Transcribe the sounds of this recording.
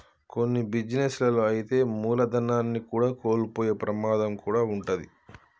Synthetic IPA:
ko̞nːibid͡ʒineslɐloɐjit̪e̞ːmuːlɐd̪ɐnːaːnːikuːɽaːko̞ːlupoːjeːpɾɐmaːd̪ɐmkuːɽaːuɳʈɐd̪ḭ

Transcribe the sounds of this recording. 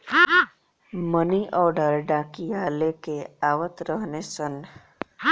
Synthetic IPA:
məniʔɔːɾɖəɾɖakijaːlekeaːwət̪ɾəɦnesən

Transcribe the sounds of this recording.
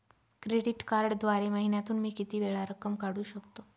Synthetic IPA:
kɾeɽiʈkaɾɽd̪ʋaɾeməɦinjat̪uːnmiːkit̪iːʋeɭaɾəkəmkaɽuːɕəkt̪o

